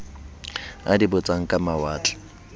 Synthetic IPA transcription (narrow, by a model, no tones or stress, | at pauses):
a̰dibʊt͡sʼaŋ̩kʼamawaːtʼɔ̥